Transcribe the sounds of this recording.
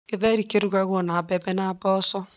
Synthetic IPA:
eðɛɾikeɾuɣaɣɔnabɛbɛnabɔsɔ

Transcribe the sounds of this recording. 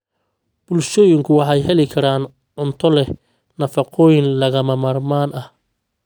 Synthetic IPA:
b̥ʊlʃɔːjɪŋkʰʊwɑħɑjɦɛlɪkʰɐɾaːn | ʕʊnt̪ʰɔlɛh | nɐfɑqʰɔːjɪnlɐɣɐmɐmɐrmaːnʔɐh

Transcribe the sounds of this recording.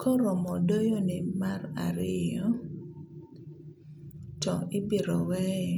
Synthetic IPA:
kʰɔɾɔmɔdojonɪmara̰ɾɪjɔ | tɔʔibiɾɔwɛ

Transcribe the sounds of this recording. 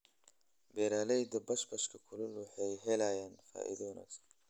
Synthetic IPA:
beːɾaːlɐjd̪ɐbɐʃbɐʃkʰɐkʰʊlʊlwʊħajɦɛlaːjaːnfa̰ːʔɪ̰d̪onɐ̰s

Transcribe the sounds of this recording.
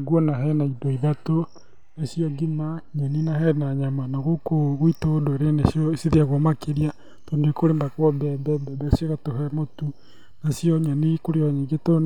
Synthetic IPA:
ɡwɔnaɦɛnaidoiðato | nesiɔɡimaɲɛninahɛnaɲamanaɣokoɣoitondoeɾenesjɔsiðeaɣwɔmakeɾia | tɔndekoɾembakwɔbɛbɛbɛbɛsjɔɣatohɛmotu | nasjɔɲɛnikoɾeɔɲeɡeto

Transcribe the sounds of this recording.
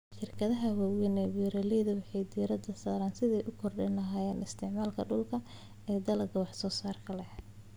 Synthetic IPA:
ʃɪrkʰɐðɐɦɐwawɛnɛwɛːɾɐlɛjðɐwɑħɑjd̪iɾɐd̪ɐsaːɾaːnsɪðɛjʔʊkʰɔrɖɐnɐɦaːjɛːnɪst̪ʰɪʕmaːlkʰɐ̰ɖʊlkʰɐ | ɛːd̪ɐlɐɡɐwɑħsɔːsaːrkʰɐlɛhɛ

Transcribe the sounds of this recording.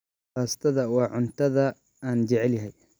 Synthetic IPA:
χaːst̪ʰɐðɐwɑːʕʊnt̪ʰɐðɐ | aːnt͡ʃɛʕɛljɦɛj

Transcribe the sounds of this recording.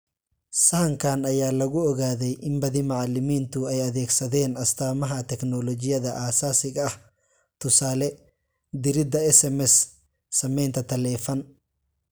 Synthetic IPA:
sɐhɐŋkʰaːnɐjaːlɐɣʊɔɣaːðɛjʔɪmbɐðɪmɑʕɑlɪmiːnt̪ʰʊɛjɐðɛːɡsɐðɛːnɐst̪ʰaːmɐɦɐt̪ʰɛknɔlɔt͡ʃɪjɐðɐʔaːsaːsɪɣɐɐh | t̪ʰʊsaːlɛ | d̪ɪɾɪd̪ɐɛsɛmɛsː | ɐmɛjnt̪ʰɐt̪ʰɐlɛːfɐn

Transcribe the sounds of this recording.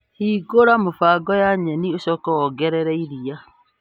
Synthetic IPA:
hiːɡoɾamofaːɡɔjaɲɛnioɕɔːkɔwɔɡɛɾɛɾɛiɾia

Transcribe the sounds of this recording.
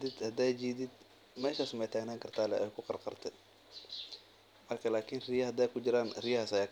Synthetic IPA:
d̪ɪd̪hɐd̪ɛːjd͡ʒiːd̪ɪd̪ | mɛːʃaːsʊmɛjt̪ʰaːɡnaːŋkʰɐrt̪ʰaːlɛʔjkʰʊqɑrqɑrt̪ʰɛ | mɐrkʰɐlaːkʰɪnrɪjɐhɐd̪ɛːjkʰʊd͡ʒɪɾaːnrɪjɐhaːsɐjaːk

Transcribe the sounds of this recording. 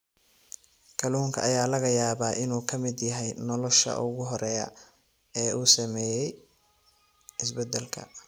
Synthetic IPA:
kʰɐluːŋkʰɐ̰ʔɐjaːlɐɣɐjaːβaːʔɪnuːkʰɐmɪd̪jɐɦɛjnɔlɔʃɐ̰ʔʊɣʊɦɔɾɛːjɐ̰ | ɛːʔuːsɐmɛːjɛj | ɪs̬bɛd̪ɛlkʰɐ̰

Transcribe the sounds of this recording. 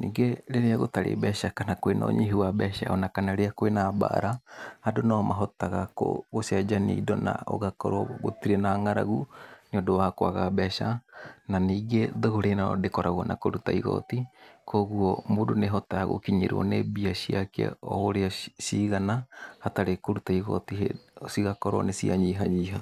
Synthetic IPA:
niɡeɾeɾeaɣotaɾḛbɛsakanakoeno̰ɲiɦuabɛsa̰onakanaɾeakoenaba̰ʔa̰ɾahadonomaɦotaɣako̰ɡosiad͡ʒaniːdona̰o̰ɡako̰ɾoɡot̪iɾenaːŋaɾa̰ɣuniodowakoaɣabɛsananiɡed̪ohuɾenaodekoɾaɣuanʔakoɾut̪aiɣo̰t̪ikʰoɣuomudoneɦot̪aɾaɣo̰ʔkiɲiɾuo̰nebiasiakea̰ohoɾeosiɡanahat̪aɾekoɾut̪ajɣo̰t̪iɦeosiɡakoɾonesia̰ɲiɦaɲiːɦa

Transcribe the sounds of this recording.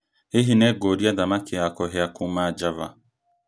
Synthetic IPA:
heɦinɛɡoɾiadamakʰeakɔɦɛakumad͡ʒava̰

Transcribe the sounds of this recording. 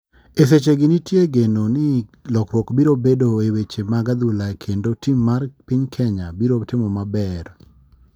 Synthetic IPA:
es̬et͡ʃeɡɪnɪtjeɡenonɪlɔkɾwɔkbiɾobedoewet͡ʃemaɡad̪ulakʰendotimːarpɪɲkʰɛɲabiɾotɪmɔmabɛɾ

